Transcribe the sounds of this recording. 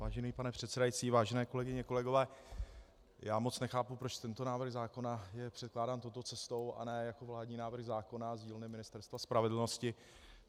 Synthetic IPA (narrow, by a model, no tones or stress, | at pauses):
vaːʒɛniːpanɛpr̝̥ɛt̪sɛdajit͡siːvaːʒɛnɛːko̞lɛɡɪɲɛko̞lɛɡo̞vɛː | jaːmo̞t͡snɛxaːpupɾo̞t͡ʃt̪ɛnt̪o̞naːvr̩ɣzaːko̞najɛpr̥ɛt̪klaːdaːmt̪owt̪ot͡sɛst̪o̞wʔa̰nɛːjako̞vlaːdɲiːnaːvr̩ɣzaːko̞nazɟiːlnɛmɪnɪst̪ɛɾst̪vaspɾavɛdl̩no̞scɪ